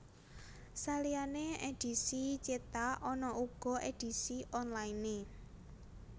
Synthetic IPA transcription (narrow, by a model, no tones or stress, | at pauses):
salianeed̥i̤sit͡ʃet̪aʔɔnɔʔuɡ̥ɔ̤ʔed̥i̤siʔɔnlaine